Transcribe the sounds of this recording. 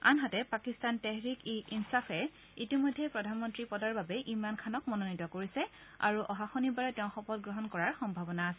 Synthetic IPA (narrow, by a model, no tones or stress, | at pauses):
a̰nɦatɛpakistantɛɦɹikiinsapʰɛ | itimɔjdʱːɛpɹɔdʱanmɔntɹipɔdaɹbabɛʔimankʰanɔk̚mɔnonitɔkoɹisɛ | a̰ɹuʔɔɦaxonibaɹɛtɛʊ̃xɔpɔtɡɹɔɦɔnkɔɹaɹxɔmbʱabɔnaːsɛ